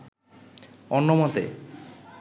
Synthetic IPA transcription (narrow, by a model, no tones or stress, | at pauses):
ɔnːomɔt̪ḛp